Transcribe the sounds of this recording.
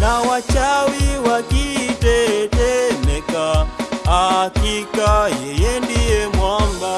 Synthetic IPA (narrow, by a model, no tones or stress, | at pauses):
nawat͡ʃawiwakitɛtɛmɛkahakikajɛjɛndijɛmwamba